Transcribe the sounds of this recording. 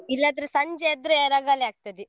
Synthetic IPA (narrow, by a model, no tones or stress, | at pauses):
ilːɐːd̪ɾesɐɲd͡ʒeɛd̪ɾeeɾaːɡaːleaːɡ̚t̪ɐd̪i